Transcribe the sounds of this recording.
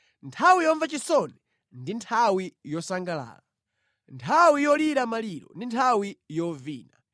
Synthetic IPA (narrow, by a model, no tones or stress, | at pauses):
ntʰawijɔɱvat͡ʃisɔnɛ | ndintʰawijɔsaŋɡala̰ːla | ntʰawijɔliɾamaliɾɔ̰ndintʰawijɔvḭːna̰